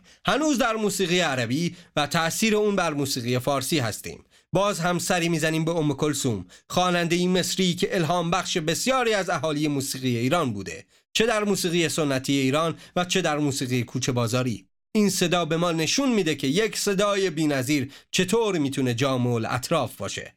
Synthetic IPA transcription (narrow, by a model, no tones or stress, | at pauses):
hænuːzd̪æɾmuːsiːɣiːjeæɾæbiːvæt̪ʰæʔsiːɾe̞uːnbæɾmuːsiːɣije̞fɒːɾsiːɦæst̪ḭːm | bɒːzɦæmsæɾiːmiːzæniːmbeomːeko̞lsuːmxɒːnænd̪e̞jiːme̞sɾiːcʰe̞ʔelɦɒːmbæxʃe̞be̞sjɒːɾiːæzæɦɒːlije̞muːsiːɣiːje̞iːɾɒːnbṵːd̪e̞̰ | t͡ʃʰe̞d̪æɾmuːsiːɣijeso̞nːæt̪ʰiːje̞iːɾɒːnvæt͡ʃʰe̞d̪æɾmuːsiːɣijekʰuːt͡ʃʰe̞bɒːzɒːɾiː | iːnse̞d̪ɒːbe̞mɒːne̞ʃunmiːd̪e̞cʰe̞jekʰse̞d̪ɒːje̞biːnæziːɾt͡ʃʰe̞t̪ʰoːɾmiːt̪ʰune̞d͡ʒɒːmolæ̰t̪ʰɾɒːfb̥ɒ̰ːʃe̞̰